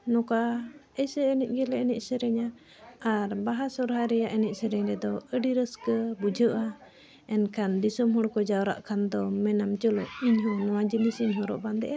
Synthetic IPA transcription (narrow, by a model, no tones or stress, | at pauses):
nɔkaɛsɛːnic̚ˀɡɛlɛɛnɛcsəɾɛɲa | aɾbaɦasɔɾɦaɾɛjaʔɛnɛc̚səɾɛɲɾɛd̪ɔəɖiɾəskəbud͡ʒʱəʔa | ɛnkʰand̪isɔmɦɔɽkɔd͡ʒawɾa̰ʔkʰand̪ɔmɛnamt͡ʃəlɔʔiɲɦɔnɔwad͡ʒinisiɲɦɔɾɔ̰ʔband̪ɛ̰ʔa